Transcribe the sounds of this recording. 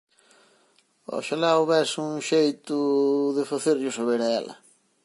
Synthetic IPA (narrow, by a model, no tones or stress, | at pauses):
ɔ̰ʃalaoβɛsuŋʃejt̪ʊðɪfaθeɾʎʊsaβeɾɐɛ̰lɐ̰